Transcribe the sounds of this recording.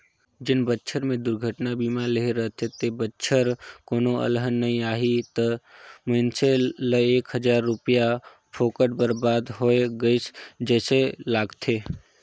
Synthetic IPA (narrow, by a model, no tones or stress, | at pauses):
d͡ʒɪnbətːʃʰəɾmẽd̪ʊɾɡʱəʈnabiːmaleɦeɾəɦt̪ʰet̪ebətːʃʰəɾkoːnoə̰lɦənːɐɦĩaːɦit̪əməɪnseləeːkɦəd͡ʒaːɾːʊpija | pʰoːkəɽbəɾbaːd̪ɦoːeɡəɪsd͡ʒɛːselaːɡt̪ʰeː